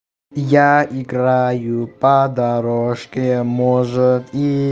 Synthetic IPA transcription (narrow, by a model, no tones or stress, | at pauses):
jaɪɡɾajʊpɐd̪aɾoʂkʲemɔʐət̪i